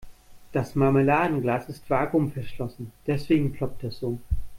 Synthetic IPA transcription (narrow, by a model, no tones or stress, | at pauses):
d̥asmaməlaːdn̩ɡlaːsɪstv̥aːɡʊmfɛɐʃlɔsn̩d̥ɛsv̥eːɡŋ̩kʰl̥ɔp̚tɛsoː